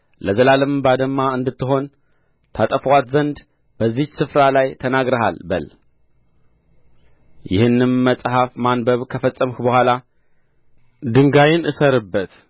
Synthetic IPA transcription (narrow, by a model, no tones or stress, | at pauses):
ləzəlalɨmbad̪əmːaɨnd̪ɨt̪ːɨɦo̞n | t̪ʰat̪ʼəfəwat̪zənd̪ | bəzːihsɨfɾalajt̪ʰənaɡɾəɦa̰lbə̰l | jɪ̰hɨnːɨmːəsʼɦafmanbəβkʰəfət͡sʼːəmhbəhʷwala | d̪ɨŋɡajɪnʔɨsəɾɨbːət̪